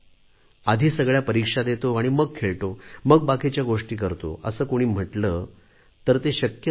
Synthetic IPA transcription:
ad̪ʱiːsəɡɭjapəɾikʂad̪et̪oaɽ̃iməɡ̚kʰeɭʈoməɡ̚bakʰet͡ɕjaɡoʂʈiːkəɾt̪o̰ə̰səːkoɽ̃iːm̤əʈlə | t̪əɾt̪eɕəkjə

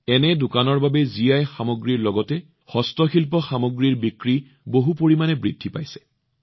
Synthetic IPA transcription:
ɛnɛdʊkanɔɹbabɛzijajxamoɡɹiɹlɔɡɔtɛ | xɔstɔxilp̬ɔxamoɡɹiɹbikɹi | boɦupoɹimanɛbɹidʱːipajsɛ̥

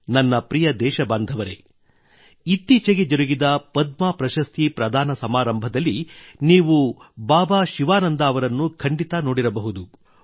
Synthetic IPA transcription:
nɐnːɐpɾijɐd̪ɛːʃɐbaːnd̪ʱɐʋɐɾe̞̰ | it̪ːiːt͡ʃɐɡed͡ʒɐɾuɡid̪ɐpɐd̪maːpɾɐʃɐst̪ʰipɾɐd̪ʱaːnɐsɐmaːɾɐmbʱɐd̪ɐlːiniːʋubaːbaːʃiʋaːnɐnd̪aːʋɐɾɐnːukʰɐɳɖit̪ɐnoːɽiɾɐbɐɦud̪u

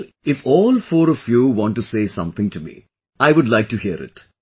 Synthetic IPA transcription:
ɪfɔːlfɔːɾɔfjuːʋɔ̃ːnʈːuseːsʌ̰̃mt̪ʰɪ̃ŋʈumḭ | aɪʋʊɖlaɪk̚ʈuhiəɾɪ̰ʈ

